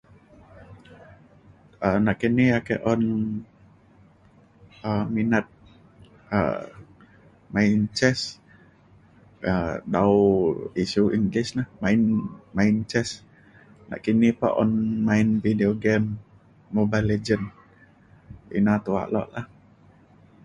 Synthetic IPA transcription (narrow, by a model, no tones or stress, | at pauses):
ənaʔkiniakɛ̰ʔɔn | əminət̪̚ | ə̰ | maint͡ʃɛs | ədauisuʔiŋɡlɪsnahmainmaint͡ʃɛs | na̰ʔkinipa̰ʔɔnmainvideoɡɛmː | obaled͡ʒən | ḭnat̪ua̰ʔlɔ̰ʔlah